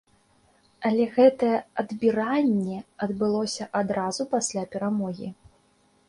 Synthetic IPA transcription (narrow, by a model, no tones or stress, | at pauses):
ɐlʲɛɣɛt̪ɐjɛɐd̪bʲiɾanʲːɛɐd̪bɨlˠɔsʲɐʔad̪ɾazupasʲlʲapʲɛɾamɔɣʲḭ